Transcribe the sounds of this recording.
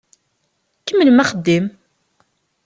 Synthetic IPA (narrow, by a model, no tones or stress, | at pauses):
kːəmːəlmæχəd̪ːim